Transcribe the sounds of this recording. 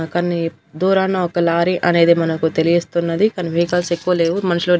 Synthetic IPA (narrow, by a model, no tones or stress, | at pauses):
kɐnːi | d̪uːɾaːnaːɔkːɐlaːɾiʔɐne̞ːd̪imɐnɐkut̪e̞lijist̪unːɐd̪ikɐnːipiːkɐːlse̞kːuʋɐle̞ːʋumɐnɐʃiloː